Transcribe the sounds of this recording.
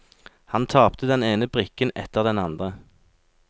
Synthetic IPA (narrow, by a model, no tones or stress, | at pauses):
hɑnt̪ʰɑːpt̪əd̪ɛneːnəbʁɪkənɛt̪əʁd̪ɛnɑnd̪ʁə